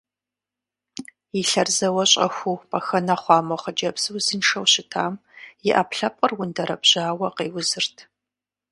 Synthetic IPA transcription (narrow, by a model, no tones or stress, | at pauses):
jiɬɐrzɐwɐɕʼɐ̰xʷupɐxɐnɐχʷɑːmɔχɐd͡ʒɐbsɨwzinʂɐwɕɪtʰaːmjɪʔɐpɬɐp̚ʼərwʊndɐɾɐ̰bʑ̥aːwɐqeːwʊzɨrtʰ